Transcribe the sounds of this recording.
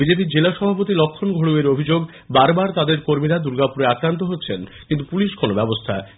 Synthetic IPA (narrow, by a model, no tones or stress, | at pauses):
bid͡ʑep̬iɾd͡ʑelaʃɔbʱapot̪ilɔkʰːonɡʱoɽueɾobʱid͡ʑoɡ | baɾbaɾt̪ad̪eɾkoɾmiɾad̪uɾɡapuɾeakɾant̪̬oɦotːɕʰenkint̪upuliʃkʰonobɛbost̪ʰae